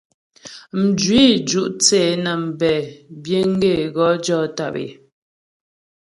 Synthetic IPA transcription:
m̩˨d͡ʒwi˦d͡ʒu˦ʔt͡seː˨nə˨m̩˨bɛ˨bje˦ŋ̩˦ɡe˦˨ɣɔ˨˦d͡ʒɔ˦ta̰˦˨pḛ˨

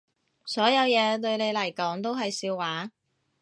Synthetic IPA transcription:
sɔː˨˥jɐ˨˧wjɛː˨˧t̪ɵ˧ɥne˨˧jlɐ˨˩jkɔː˨˥ŋt̪̬o˥wɦɐ˨jsiː˧wːaː˨˥

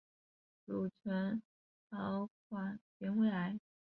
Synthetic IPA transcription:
ʈ͡ʂu˨˩t͡ɕʰɛ˧˥n | tɑ˧˥kʰwa˥˩pjɛ˧˥nwe˧˥ɪa˧˥ɪ

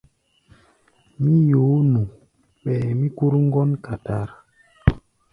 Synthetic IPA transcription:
mi˦jo˨˦nu˨ | ɓɛ˨mi˦ku˦ɾŋ˦ɡɔ˦nka˨ta˦ɾ

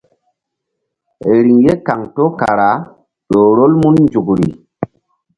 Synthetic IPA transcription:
e˨ɾi˨ŋje˦ka˨ŋto˦ka˨ɾa˨˦ | ɗo˨ɾo˦lmu˦nnd͡ʒu˨kɾḭ˨

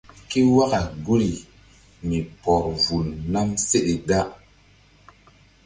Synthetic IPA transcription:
ki˦wa˦ka˨ɡu˦ɾi˨ | mi˨pɔ˨ɾvu˨lna˦mse˦ɗe˨da˦ʔ

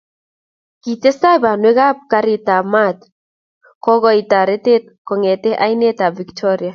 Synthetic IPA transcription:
ki˨te˦sa˦˨ba˨nwe˦ɣa˦p̚ka˦ɾɪ˨ta˨ma˦t̪ | kɔ˦ɣɔ˦i˨ta˨ɾe˦te˦t̚kɔ˨ŋɛ˨te˦ʔa˦i˦ne˦ta˨vi˨ktʰɔ˦ɾja˨

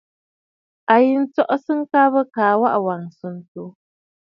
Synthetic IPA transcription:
a˨ji˨n̩˦t͡sɔ˦ʔɔ˦sɨ˦ŋ̩˦ka˦βə˦kaː˨˦wa˦ʔwa˨ŋsɨ˨n̩˨tu˨˦

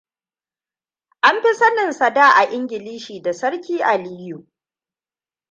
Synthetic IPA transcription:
ʔa˦mɸi˦sɐ˦nɪ˨nsɐ˨daː˦ʔa˨ʔɪ˦ŋɡʲɪ˨liː˦ʃiː˨da˨sɐ˦ɾkʲiː˦ʔa˨liː˦ju˨

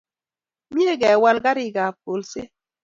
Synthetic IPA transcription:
mi˦e˦ɡɛ˨wa˦lɡa˦ɾi˦ɡa˨p̚o˨lse˦

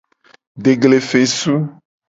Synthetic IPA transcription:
ɖe˨ɡle˨fe˨su˦

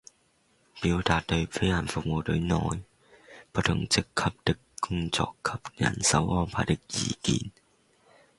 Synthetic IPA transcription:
piː˨˥wt̪aː˨˩t̚t̪ɵ˨˧ɥfe˨˥jha˨˩nfʊ˨k̚mo˨˧wt̪ɵ˨˧ɥnɔː˧˨j | po˧˥t̪ʰʊ˨˩ŋt͡sɪ˧˥kʰːɐ˧˥p̚t̪ɪ˥kːʊ˥ŋt͡sɔ̰ː˧kʰːɐ˨˧p̚jɐ̰˨˩nsɐ̰˨˥wɔː˥npʰaː˧t̪ɪ˥k̚jiː˨˩kiː˧n

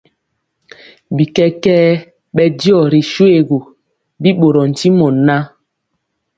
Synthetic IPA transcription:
bi˨kɛ˦kɛː˦ | ɓɛ˦di˦ɔ˦˨ɾi˨ʃwe˦˨ɡo˨ | bi˦ɓo˨ɾɔ˨n̩˨ti˦mɔ˨na˦

